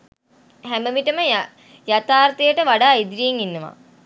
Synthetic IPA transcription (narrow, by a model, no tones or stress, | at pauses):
hæməʋiʈəmə | jat̪aːrt̪ijəʈəʋaɖaːid̪ɾijeŋinːəʋa̰